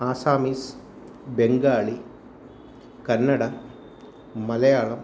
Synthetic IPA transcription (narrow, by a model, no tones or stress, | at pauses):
aːsaːmis | beŋɡaːɭi | kɐnːɐɽɐ | mɐlɐjaːɭɐm